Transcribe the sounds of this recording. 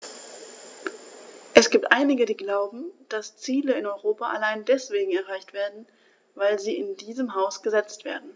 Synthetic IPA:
ʔɛsɡ̥iːp̚tʔaɪnɪɡədiːɡlaʊbm̩d̥ast͡siːləɪnɔʏʁoːpaʔa̰laɪndɛsv̥eːɡŋ̩ɛɐʁ̞aɪçtv̥eːɐdn̩ | vaɪlziːɪndiːzəmɦaʊsɡ̥əzɛt͡stv̥ḛːɐdn̩

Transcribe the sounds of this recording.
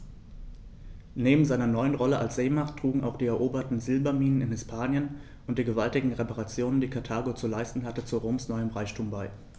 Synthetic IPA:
neːbm̩zaɪnɐnɔʏənʁɔləʔa̰lsz̥eːmaχtʁ̥uːɡŋ̩a̰ʊxχd̥iːɛɐʔoːbɐtn̩zɪlbɐmiːnənɪnhɪspʰaːnjən | ʔʊnt̚d̥iːɡəvaltɪɡŋ̩ʁepaʁat͡sjoːnəndiːkʰaɐtʰaːɡot͡sulaɪstn̩ɦatət͡suʁoːmsnɔʏəmʁaɪçtʰuːmbaɪ

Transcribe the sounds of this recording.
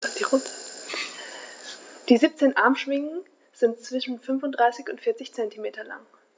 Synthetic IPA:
d̥iʁʊ | d̥iːziːp̚t͡seːnʔa̰ɐmʃv̥ɪŋŋ̩ | z̥ɪntt͡sv̥ɪʃn̩fʏnfʊntd̥ʁaɪsɪçʊntfɪːɐt͡sɪçt͡sɛntimeːtɐla̰ŋ

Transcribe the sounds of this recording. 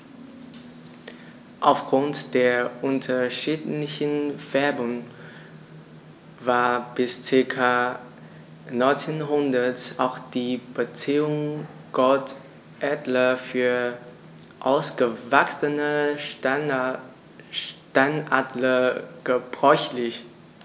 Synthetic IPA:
ʔaʊfɡ̥ʁʊntd̥eːɐʔʊntʰɐʃiːtlɪçən̩v̥ɛɐbʊŋ | vaːɐb̥ɪst͡sɪɐkʰa | nɔʏnt͡senɦʊndɐtʔaʊxd̥iːb̥ət͡siːʊŋ | ɡ̥ɔt | ʔɛdlɐfyːɐ | ʔa̰ʊsɡ̥əvaksənə | ʃtanʔadləɡ̥əb̥ʁɔʏçlɪç

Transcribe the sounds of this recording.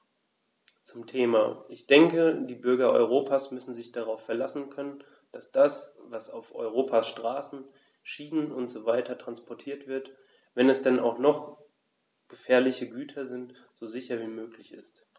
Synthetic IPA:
t͡sʊmtʰeːma̰ːʔɪçd̥ɛŋkədiːbʏɐɡɐʔɔ̰ʏʁ̞oːpʰaːsmʏsn̩zɪçd̥aʁaʊfɛɐlasn̩kʰœnən | d̥asd̥asvasaʊfʔɔ̰ʏʁ̞oːpʰasʃtʁ̥aːsn̩ | ʃiːnənʊntz̥ovaɪtʰɐtʁ̥anspʰɔɐtʰiːɐtv̥ɪɐt | vɛnɛsd̥ɛna̰ʊxχnɔχ | ɡ̥əfɛːɐlɪçəɡyːtʰɐzɪnt | z̥oːzɪçɐviːmøːklɪçɪst

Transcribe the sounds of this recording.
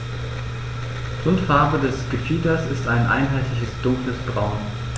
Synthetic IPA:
ʁʊntfaːbədɛsɡ̥əfiːdɐsɪstaɪnʔa̰ɪnɦaɪtlɪçəsd̥ʊŋkləsb̥ʁaʊn

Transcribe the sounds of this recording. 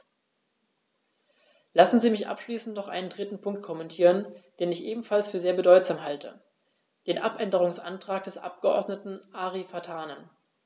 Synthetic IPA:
lasn̩ziːmɪçʔa̰pʃliːsn̩tnɔχʔa̰ɪnəndʁɪtn̩pʰʊŋk̚t̚kʰɔmɛntʰiːʁ̞ənd̥eːnɪçʔeːbm̩falsfyːɐzeːɐbədɔʏtz̥aːmɦaltʰə̰ | d̥eːnʔa̰pʔɛndəʁ̞ʊŋsʔa̰ntʁ̥aːk̚d̥ɛsʔa̰p̚ɡ̥əʔɔ̰ɐdnətn̩ʔaːʁifatʰaːnən

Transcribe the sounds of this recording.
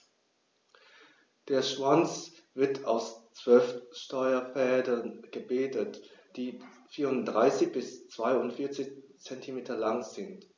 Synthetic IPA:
d̥eːɐʃv̥ant͡s | v̥ɪɐtʰaʊst͡sv̥œlfʃtɔʏɐfɛːdɐnɡ̥əbeːtətd̥iː | fiːɐʁʊntd̥ʁaɪsɪçb̥ɪst͡sv̥aɪʊntfɪɐt͡sɪçt͡sɛntʰimeːtɐlaŋz̥ɪnt

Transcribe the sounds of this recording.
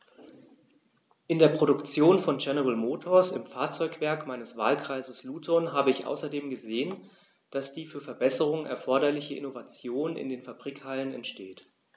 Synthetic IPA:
ʔɪndeːɐpʁ̥oɾʊkt͡sjoːnfɔnd͡ʒɛnɛʁəlmoːtʰɔɐsɪmfaːɐt͡sɔʏkv̥ɛɐkmaɪnəsv̥a̰ːlkʁ̥aɪzəsluːtʰɔnɦaːbəɪçʔa̰ʊsɐdeːmɡəzeːən | d̥asd̥iːfyːɐfɛɐbɛsəʁʊŋʔɛ̰ɐfɔɐɾɐlɪçəʔɪ̰novat͡sjoːnɪ̰ndeːnfabʁiːkhalənɛ̰ntʃteːt

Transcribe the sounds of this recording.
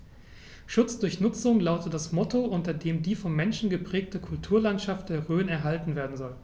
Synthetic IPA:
ʃʊt͡sd̥ʊɐçnʊt͡sʊŋlaʊtətd̥asmɔtʰoʔʊntɐdeːmdiːfɔmːɛnʃn̩ɡəpʁ̥ɛːk̚təkʰʊltʰuːɐlantʃaftd̥eːɐʁøːnɛɐɦaltn̩veːɐdn̩zɔl

